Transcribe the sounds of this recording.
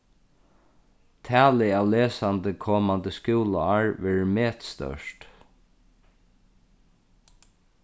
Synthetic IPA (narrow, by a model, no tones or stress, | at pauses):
t̪ʰæːlɪaːwlɛːsant̪əkʰɔːmant̪əskjuːlaaɹʋɛːɹmɛːt̪st̪œ̰ʂt̪